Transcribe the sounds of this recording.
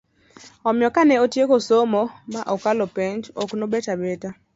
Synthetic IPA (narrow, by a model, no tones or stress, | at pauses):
ɔmjɔkanɛotjekosomɔmaʔɔkalɔpɛntoknobɛtabɛta